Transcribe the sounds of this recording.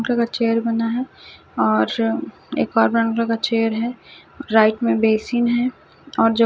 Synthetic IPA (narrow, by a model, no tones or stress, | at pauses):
klãkat͡ʃeːjəɾbɐnaɦɛ | ɔːɾ | eːkɔːɾbɾə̃ːɳkakat͡ʃeːjəɾɦɛ | ɾaːɪʈmẽbeːsiːnɦɛ | ɔːɾd͡ʒo